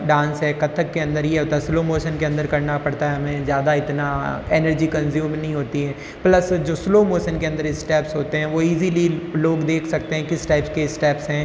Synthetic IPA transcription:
ɖãːnsɦɛːkɐt̪ʰəkːeɐ̃nd̪əɾjeɦoːt̪aɦɛsloːmoːʃənkeɐ̃nd̪əɾkɐɾnapɐɽt̪aɦɛmɛ̃zjaːd̪aɪt̪naɛːnəɾd͡ʒikɐ̃nzjuːmnɐɦĩɦoːt̪iɦɛː | plɐsd͡ʒoːsloːmoːʃənkeɐ̃nd̪əɾɪsʈɛːpsɦoːt̪eɦɛ̃ʋoiːzililoːɡd̪eːkʰsɐk̚t̪eɦɛ̃kɪsʈaːɪpskeɪsʈɛːpsɦɛ̃ː

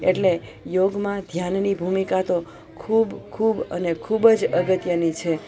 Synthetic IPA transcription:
eʈle | joɡmãd̪ʱjannibʱumikat̪o | kʰubkʰubənekʰubd͡ʒəɡət̪jənit͡ʃʰe

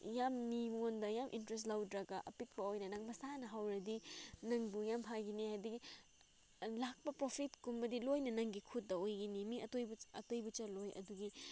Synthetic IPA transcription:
jamːimondɐjamʔḭntɾes̬tlawdɾɐɡɐʔɐ̰pik̚pɐojnɐnɐŋmɐsanɐɦawɾɐdinɐŋbujamɦajɡinihajdiki | lak̚pɐpɾopʰitkumbɐdilojnɐnɐŋɡikʰut̚dɐojɡinimiɐtojbɐ̰tojbɐt͡ʃɐlojɐ̰duɡi

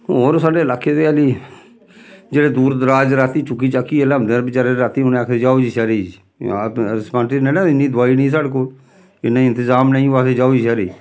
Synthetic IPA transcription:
oːɾsaːɖeːlaːket̪eaːliː | d͡ʒeːɽed̪uːɾd̪ɾaːd͡ʒɾaːt̪iːt͡ʃʊkit͡ʃaːkiːelamd̪əɾbɪt͡ʃaːɾeɾaːt̪iːʊnaːkʰed͡ʒaːud͡ʒiʃaɾiː | ɾɪspãːʈinenãɪnːiːd̪ʱʋaːinĩːs̬aːɽkoː | ɪnaɪ̃nt̪ɪzaːmnaːĩʋaːsed͡ʒaːud͡ʒiʃaɾḭː

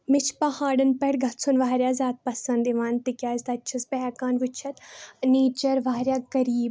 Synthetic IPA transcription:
mɪt͡ʃʰpɐhaːɽɐnpɛɽɡʱɐt̪sʰunʋaːɾjaːzaːt̪̚pɐsɐ̃nd̪iʋaːnt̪ikʲjaːzd̪ɐt͡ʃʰɐspɛkaːnʋʊt͡ʃʰɐt̪neːt͡ʃɐɾʋaːɾʲjaːkɐɾiːb

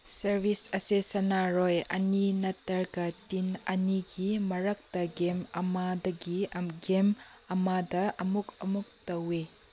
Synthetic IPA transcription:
sɐɾbʱisɐsesɐnaɾɔjɐninɐtːɐɾkɐtinɐniɡimɐɾɐk̚tɐɡemɐmadɐɡiɐɡemɐmadɐʔɐmukɐmuk̚tɐwe

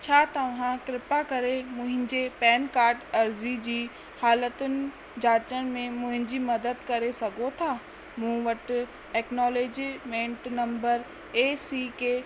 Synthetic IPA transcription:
t͡ɕʰaːt̪ɐʋɦãkɾɪpakɐɾemʊ̃ɦɪ̃ɲd͡ʑepɛːnkaːɾʈɐɾzid͡ʑiː | haːlət̪ʊnɪ̆ | d͡ʑaːt͡ʃənmẽmʊ̃ɦɪ̃ɲd͡ʑimɐd̪əd̪kɐɾesɐɡʱot̪ʰaː | mũːʋəʈ | ʈeːknɔːleːd͡ʒimẽːɳʈnɐ̃mbəɾ | eːsike

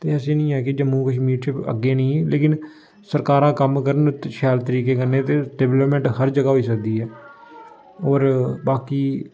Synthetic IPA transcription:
t̪eːəsĩːnĩːɛːkɪd͡ʒəmːũːkəʃ̬miːɾt͡ʃʰeːə̰ɡːeːnĩːleːkɪn | səɾkaːɾãːkəmkəɾənʃʰɛːlt̪əɾiːkeːkəneːt̪eːɖeːʋləpmɛ̃ːɳʈhəɾd͡ʒəɡaːɦoiːsəkd̪iːɦɛː | oːɾbaːkiː

